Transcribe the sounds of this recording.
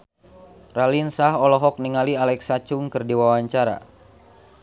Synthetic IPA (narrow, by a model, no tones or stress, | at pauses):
ralinsaɦɔlɔɦɔk̚niŋalialɛksat͡ʃʊŋkɨrdiwawaɲt͡ʃaɾa̰